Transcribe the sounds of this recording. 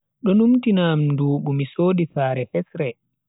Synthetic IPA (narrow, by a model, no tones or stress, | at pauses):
ɗɔnumtinamduːɓumisoːdifaːɾɛfɛsɾɛ